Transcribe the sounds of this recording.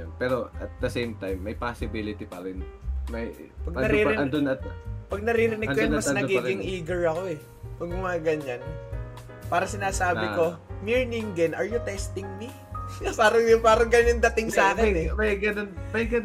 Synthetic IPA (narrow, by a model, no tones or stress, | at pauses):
npɛɾoʔɐt̪̚d̪ɐsejmt̪ajmːɐjpasɪbilɪt̪ipɐ̰ɾɪnmɐjpɐɡ̚ɐnɐɾiːɪɐnd̪onɐt̪pɐɡ̚nɐɾiːɾɪnɪkːojʊnmɐsnɐɡiːɡɪŋʔiːɡɐɹɐko̞ɛ | wɐɡmɐɐŋɐɡɐɲan | paːɾɐsɪnaːsaːbɪko̞miɹnɪŋd̪ɛnɐɹjʊt̪ɛst̪ɪŋmi | saɾɐjʊpaːɾɐŋɡɐɲand̪ɐt̪ɪŋsaːkɪnɛmɐjɡɐnonmɐjɡɐn